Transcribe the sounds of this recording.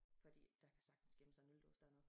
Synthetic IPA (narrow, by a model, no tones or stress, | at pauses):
fɒd̥ḭːd̥ɑ̈kʰæ̥sɑ̈ɡ̥d̥n̩sɡ̥eməsɑ̈ɪnuld̥o̰ːsd̥æn